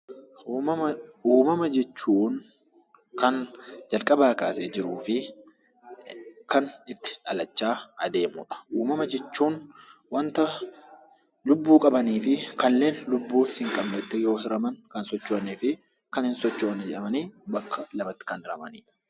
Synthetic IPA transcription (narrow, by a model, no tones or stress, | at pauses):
mɐmuːmɐmɐd͡ʒɛt͡ʃːuːn | kɐnd͡ʒɐlkʼɐbaːkaːseːd͡ʒɪɾuːfɪ | kɐnɪt̪ːɪ̥ᶑɐlɐt͡ʃːaːɐd̪e̞ːmṵːᶑɐ̥uːmɐmɐd͡ʒɛt͡ʃːuːnwɐnt̪ɐ | lʊbːuːkʼɐbɐniːfɪkɐlːe̞ːnlʊbːuːhɪŋkʼɐbnɛt̪ːɛjo̞ːhɪɾɐmɐŋkɐnsɔt͡ʃːoniːfɪ | kɐnhɪnsɔt͡ʃːoːnːɛd͡ʒɛʔɐmɐniːbɐkːɐlɐbɐt̪ːɪ̥kɐnɪɾɐmɐ̰nḭːᶑɐ̥